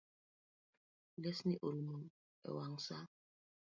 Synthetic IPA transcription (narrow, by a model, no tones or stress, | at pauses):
lesniʔolmu | ɛ̰waŋ̩sa